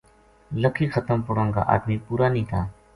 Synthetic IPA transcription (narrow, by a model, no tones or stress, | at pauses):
ləkʰiːkʰət̪əmpʊɽəŋɡa̰ːʔa̰ːd̪miːpuːɾaːniːt̪ʰaː